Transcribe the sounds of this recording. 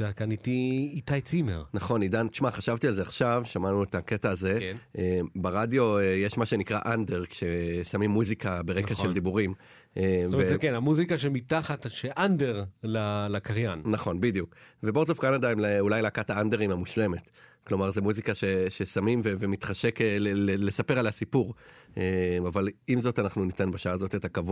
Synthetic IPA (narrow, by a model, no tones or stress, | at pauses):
z̥akanitiitajt͡simḛʁnaχo̞nid̪ant̪iʃmaχaʃavt̪ialzeaχʃavʃamanuetake̞taːze̞ʔebaʁadjo̞ejeʃmaʃe̞nikʁa̰ʔande̞ʁkʃe̞samimːuzikabeʁekaʃeld̪ibuʁim | ʔeekenamuzikaʃemitaχatʃeʔandeʁlalakaʁjannaχo̞nbid̪ijukveboʁt̪sofkanadaimleulajleakataande̞ʁimamuʃle̞me̞t | klo̞maʁzemuzikaʃe̞ʃesamimvevemit̪χaʃekeeele̞sape̞ʁalhasipuʁ | emavalimzo̞tanaχnunit̪enbaʃaaːzo̞tetakav